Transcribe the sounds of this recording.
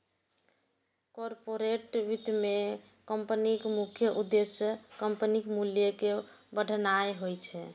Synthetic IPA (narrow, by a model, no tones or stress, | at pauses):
kɔɾpoɾeʈʋit̪me | kəmpənikmukʰjəʔud̪ːesəkəmpənikmuljəkebəɽ̤ʱnajɦojt͡ʃʰɛ